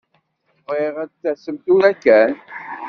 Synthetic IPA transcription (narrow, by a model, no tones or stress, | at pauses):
ʁeʁæθːæsəmt̪uɾækːæn